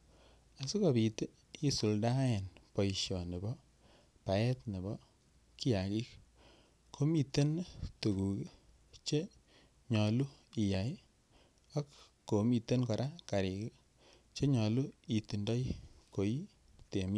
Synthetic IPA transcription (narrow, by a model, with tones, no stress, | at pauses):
a˨su˦ka˨bi˨te˦ | i˦su˨lda˦e˨npɔ˨iʃjɔ˨ne˨bɔ˦ | pa˨ɛ˦tne˨bɔ˦ | ki˦ja˨ki˦k | kʰo˦mi˨te˦ntu˨ɡu˨ki˦ | t͡ʃe˦ | ɲɔ˨lu˦i˨ja˨j | a˦kː | o˨mi˨te˦nkɔ˨ɾa˦ka˨ɾi˨ki˦ | t͡ʃe˦ɲɔ˨lu˦i˨ti˨ndɔ˦jko˨i˦ | te˨mi˦